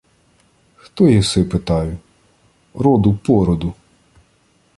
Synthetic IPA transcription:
xt̪ɔjiwsɪpɪt̪ɑjʊ | ɾɔd̪ʊpɔɾɔd̪ʊ

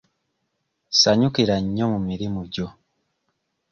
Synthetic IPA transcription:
saɲukiɾaɲːomumiɾimuɟo

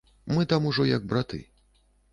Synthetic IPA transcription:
mɨt̪amuʐɔjɐɡ̚bɾat̪ɨ̰

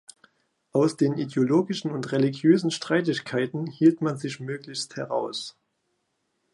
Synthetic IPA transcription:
ʔaʊsd̥eːnʔideoloːɡɪʃn̩ʊntʁeliɡjøːzn̩ʃtʁ̥aɪtɪçkʰaɪtn̩hiːltmanzɪçmøːklɪçsthɛʁa̰ʊs

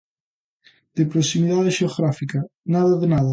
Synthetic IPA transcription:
d̪̥epɾosimiðaðeʃeoɣɾafikanaðaðenaðɐ

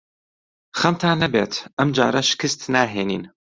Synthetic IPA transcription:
xɐmt̪ʰaːnɐbeːt̪ʔɐmd͡ʒa̰ːɾɐʃɪ̥kɨst̪naːɦeːnḭːn

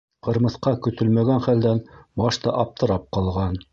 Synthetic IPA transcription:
qɤ̆ɾmɤ̆θqɑkɵ̆θɵlmæɡænχæld̪ænbɑʃt̪ɑʔɑp̚t̪ʰɤ̆ɾɑp̚qɑlˠʁɑn

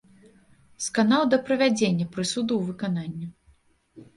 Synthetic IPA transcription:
skanaw̪d̪ɐpɾɐvʲad͡zʲenʲːɐpɾɨsud̪uwvɨkananʲːi

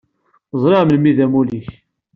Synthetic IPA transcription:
zˤɾɪʕməlmiðæmuliç

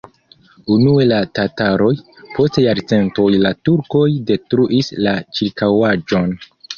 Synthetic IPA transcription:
unue̞latataɾo̞jpo̞stejaɾt͡se̞nto̞jlatuɾko̞jde̞tɾuʔislat͡ʃiɾkawad͡ʒo̞n

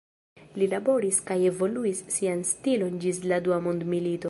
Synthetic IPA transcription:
lilabo̞ɾiskaje̞vo̞luisːianstilo̞nd͡ʒisladuamondmilito̞

